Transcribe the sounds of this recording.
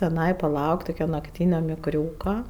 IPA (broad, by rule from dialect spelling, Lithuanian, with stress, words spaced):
tʲɪˈnɐɪ pɐˈlˠɐʊktʲ tʊˈkʲɛ nɐkˈtʲiːnʲoː mʲɪkˈrʲuːkɐ